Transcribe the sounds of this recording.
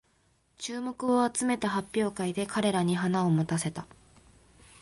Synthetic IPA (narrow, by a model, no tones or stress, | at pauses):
t͡ɕɨːmo̞kɯ̟o̞at͡sɨme̞t̪aɦapʲːjo̞ːkaid̪e̞kʰaɾe̞ɾaɲ̟iɦanao̞mot̪ase̞t̪a